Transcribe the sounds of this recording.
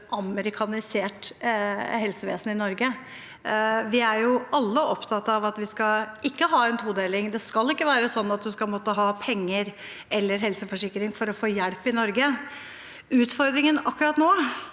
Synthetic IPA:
ʔɑməɾɪkʰɑnɪseːʈ | ɦɛlsəʋḛːsnɪnɔɾɡə | ʋɪæɾjʊʔɑlːəʔɔpt̪ʰɑt̪ːɑʋɑt̪ʋɪskɑɪkːəɦɑːɛnt̪ʰuːd̪eːlɪŋd̪ɛskɑlːɪkːəʋæːɾəsɔnːɑt̪̚d̪ʉskɑlmɔt̪ːəɦɑːpʰɛŋːəɾ | ɛlːəɾɦɛlsəfɔʂɪkːəɾɪŋfɔɾɔfoːjɛɽpɪnɔɾɡə | ʉːt̪fɔɾd̪ɾɪŋənɑkːɾɑt̪noː

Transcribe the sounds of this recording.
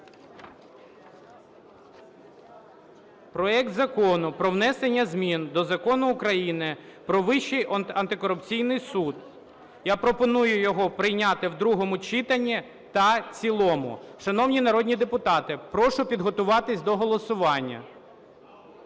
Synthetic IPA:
pɾɔɛk̚t̪zɐkɔnʊpɾɔwnɛsenʲːɐzʲmʲind̪ɔzɐkɔnʊːkɾɐjinɪpɾɔʋɪʃːijɐnt̪ɪkɔɾʊpt͡sʲijnɪjsud̪ | japɾɔpɔnujʊjɔɦɔpɾɪjnʲɑt̪ɪwd̪ɾuɦɔmʊt͡ʃɪt̪ɐnʲːi | t̪ɐt͡sʲilˠɔmʊ̰ʃɐnɔwnʲinɐɾɔdʲnʲid̪epʊt̪ɑt̪ɪpɾɔʃʊpʲid̪ɦɔt̪ʊʋɑt̪ɪsʲd̪ɔɦɔlˠɔsʊʋɑnʲːɐ̰

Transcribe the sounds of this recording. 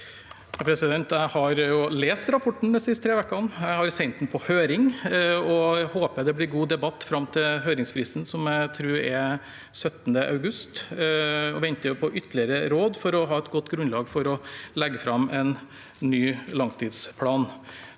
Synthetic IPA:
ɑpʰɾɛsɪd̪ɛnt̪æɪhɑɾjʊleːst̪ɾɑpʰɔʈːɳ̩d̪ɛnsɪst̪ʰɾeːʋɛkːɑnjæɪhɑɾsɛɪnt̪n̩pʰɔhøːɾɪŋɔhoːpəjæd̪ɛblɪɾɡuːd̪ɛbɑt̪ːfɾɑmt̪ʰɪɦøːɾɪŋspʰɾiːsn̩sɔmæɪt̪ʰɾʉːɾɛ | sœt̪ːnd̪əʔɑ̰ʉɡʉst̪ | ɔʋɛnt̪əjʊpʰɔʔʏt̪ʰːəlɪəɾəɾoːd̪fɔɾɔɦɑːɛt̪ɡɔt̪ːɡɾʉnlɑːɡfɔɾɔlɛɡːəfɾɑmɛnː | yːlɑŋt̪ʰiːd̪spʰɽɑːn

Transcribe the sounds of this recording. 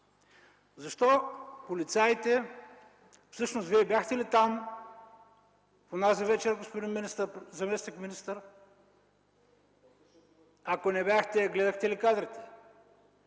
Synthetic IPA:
zɐʃt̪ɔpolit̪sʲajt̪ɛ | fsɤʃnosviɛbʲjaxt̪ɛlit̪am | ponazivɛt͡ʃɛɾɡospod̪inminist̪əɾzɐmɛsnikminist̪əɾ | ɐkonɛbʲjaxt̪ɛɡlɛd̪ɐxt̪ɛlikad̪ɾit̪ɛ̥

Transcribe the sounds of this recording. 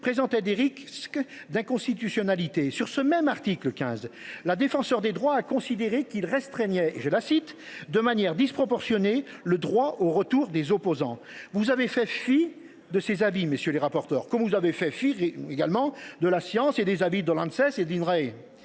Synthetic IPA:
pχezɑ̃t̪ɛd̪eʁiksk | d̪ɛ̃kɔ̃st̪it̪ysjɔnalit̪esyʁsəmɛmaʁt̪ikləkʲɛ̰̃zlad̪efɑ̃sœʁd̪ed̪ʁwaːkɔ̃sid̪eʁekilʁɛst̪χɛɲɛḛʒəlasit̪ | d̪əmanjɛʁd̪ispχɔpɔʁsjɔne | ləd̪ʁwaʔoʁət̪uʁd̪ezɔpozɑ̰̃ | vuzavefɛfi | d̪əsezabimesjøleʁapɔʁt̪œʁkɔmvuzavefɛfieɡalmɑ̃d̪əlasjɑ̃sed̪ezabid̪əlɑ̃d̪sɛsed̪inʁɛe

